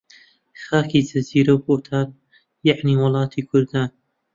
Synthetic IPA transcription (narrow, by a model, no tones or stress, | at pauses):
xaːkʰiːd͡ʒɐziːɾɐwboːt̪ʰaːn | jaʕniːwʊlˠɑːt̪ʰiːkʰʊɾd̪aːn